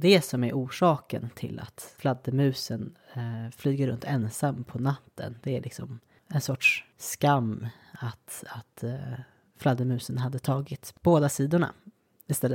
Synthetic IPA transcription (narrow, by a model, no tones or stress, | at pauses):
d̪ɛsɔmæɾʔuːʂɑːkə̰nt̪ʰɪ̰lʔa̰t̪flad̪ːəmʉ̟ːsənflyːɡəɾɵnt̪ʰɛnsamːpʰɔnat̪ʰːə̰nd̪ɛæɭɪksɔ̰m | ɛnsɔʈʂskamː | at̪at̪ | flad̪ːəmʉ̟ːsənɦad̪ːət̪ʰɑːɡɪt̪boːd̪asiːd̪ʊɳa̰ | ɪst̪ɛlː